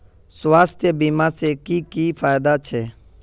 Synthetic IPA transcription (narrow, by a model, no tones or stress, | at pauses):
sʋaːst̪ʰjəbiːmãːseːkiːkiːfaːjd̪aːt͡ʃʰeː